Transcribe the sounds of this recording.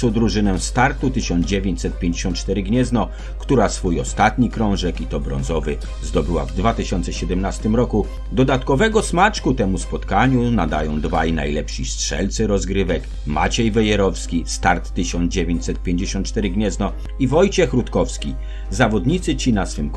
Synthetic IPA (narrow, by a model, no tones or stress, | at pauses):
ɔd̪ɾuʐɘnɛst̪aɾt̪ut̪ɘɕɔnd̪d͡ʑevʲjeɲt͡ɕʲsɛt̪̚pʲjẽɲd͡ʑeɕɔnt̪̚t͡ʂt̪ɛɾɘɡɲɛznɔ | kt̪uɾasfujɔst̪at̪ɲikɾɔ̃w̃ʐɛkit̪ɔbɾɔ̰nzɔvɘ | zd̪ɔbɘwa̰vd̪vat̪ɘɕɔnt̪sɛɕɛd̪ɛmnast̪ɘmɾɔku | d̪ɔd̪at̪kɔvɛɡɔsmat͡ʂkut̪ɛmuspɔt̪kaɲunad̪ajɔ̃w̃d̪vajna̰jlɛpʂistʂɛ̰lt̪sɛɾɔzɡɾɘvɛk | ma̰t͡ɕɛjvɛjɛɾɔfskʲist̪aɾt̪ːɘɕɔnd̪zd͡ʑevʲjeɲt͡ɕʲsɛt̪̚pʲjẽɲd͡ʑeɕɔ̃nt̪̚t͡ʂt̪ɛɾɘɡɲɛznɔ | ivɔjt͡ɕɛxɾut̪kɔfskʲi | zavɔd̪ɲit̪sɘt͡ɕinasfɘmk